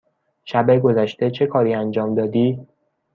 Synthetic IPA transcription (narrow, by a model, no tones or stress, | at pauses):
ʃæbeɡo̞zæʃt̪e̞t͡ʃʰe̞kʰɒːɾiːænd͡ʒɒːmd̪ɒːd̪iː